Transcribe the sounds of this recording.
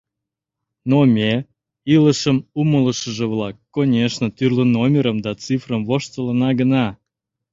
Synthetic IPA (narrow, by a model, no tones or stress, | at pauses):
nomʲe | iləʃəmumələʃəʒə̆βlɑkːonʲeʃnə̆t̪yrlənomʲeɾəmd̪ɑt͡sifrəmvoʃt̪ələnɑɡənɑ